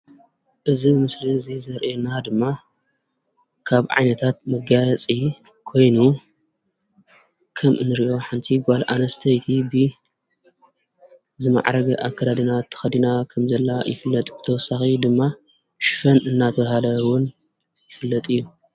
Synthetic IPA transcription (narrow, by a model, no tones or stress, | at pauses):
ʔɨzimɨslizizɐɾʔenad̪ɨmːa | kʰaβʕa̰jnɐt̪ʰat̪̚mɐɡat͡sʼikʰo̞jnu | kʰɐmʔɨnɨɾiʔo̞ħɨnt̪ʰiɡʷalʔa̰nɐst̪ʰɐjt̪ʰibɨ | zɨma̰ʕɾɐɡʔakʰːɐd̪ad̪inat̪ʰːɐ̥xɐd̪inakʰɐmzɐlːajɪfɨlːɐt̪ʼbɨt̪ʰɐwɔsːaxid̪ɨmːa | ʃɪ̥fɐnɨnːat̪ʰɐβɐhalɐwʊn | jɪfɨlːɐt̪ʼɨjːu